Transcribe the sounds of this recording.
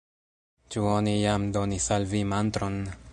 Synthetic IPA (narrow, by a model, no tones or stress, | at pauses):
t͡ʃuo̞nijamdo̞nisalvimant̪ɾon